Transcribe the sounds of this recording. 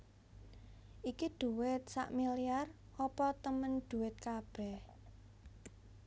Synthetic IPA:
ʔikid̪̥ṳwɪt̪̚sa̰ʔmilijar | ʔɔpɔt̪əmənd̪̥ṳwɪt̪̚kab̥ɛh

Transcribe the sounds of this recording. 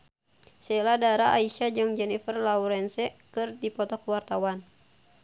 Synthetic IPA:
sɛladaɾaʔaiʃad͡ʒɨŋd͡ʒɛnifərlauɾɛnsɛkɨrdipɔt̪ɔkwart̪awan

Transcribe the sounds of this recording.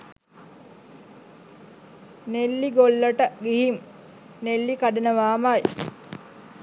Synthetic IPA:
nelːiɡolːəʈəɡiɦim | nelːikaɖənəʋaːmaj

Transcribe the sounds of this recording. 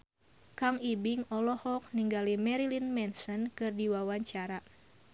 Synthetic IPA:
kaŋibiŋɔlɔhɔk̚niŋɡalimɛɾilinmɛnsɔnkɨrdiwawaɲt͡ʃaɾa

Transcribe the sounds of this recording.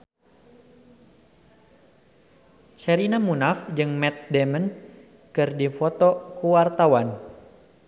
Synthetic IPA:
t͡ʃɛɾinamunafd͡ʒɨŋmɛt̪̚dɛmən | kɨrdifɔt̪ɔkuwart̪awan

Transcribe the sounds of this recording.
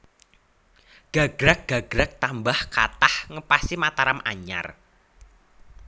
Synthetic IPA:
ɡ̥a̤ɡ̥ɾak̚ɡ̥a̤ɡ̥ɾak̚t̪ambahkat̪ahŋəpasimat̪aɾamʔa̰ɲa̰r

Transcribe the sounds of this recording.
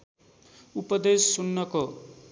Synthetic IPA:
upʌd̪esːunːʌko

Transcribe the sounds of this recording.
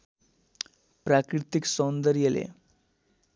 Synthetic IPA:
pɾakɾit̪iksɔnd̪əɾijelḛ

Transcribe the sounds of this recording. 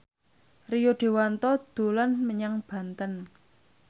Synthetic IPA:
rijoɖ̪̥e̤want̪ɔd̪̥olanməɲaŋb̥a̤nt̪ən

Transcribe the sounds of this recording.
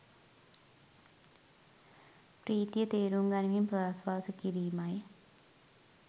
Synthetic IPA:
priːt̪jɐt̪eːɾuːŋɡanɐŋimpðaːsʋaːsɐkːiɾiːmaːji

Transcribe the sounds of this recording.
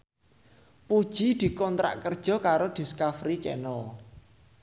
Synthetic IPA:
pud̥ʒ̥id̪̥i̤kɔnt̪ɾa̰ʔkərd̥ʒ̥ɔ̤kaɾod̪̥i̤skafɾit͡ʃɛ̰nɔ

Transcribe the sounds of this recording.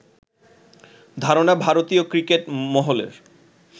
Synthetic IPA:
d̪ʱaɾonabʱaɾot̪iokɾikeʈmɔɦolḛɾ

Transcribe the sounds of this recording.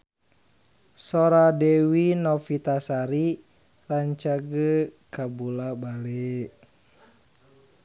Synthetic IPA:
sɔɾadɛwinɔfit̪asaɾi | raɲt͡ʃaɡəkabulabale

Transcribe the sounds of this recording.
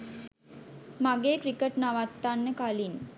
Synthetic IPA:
maɡeːkɾikəʈnaʋat̪ːanːəkalin

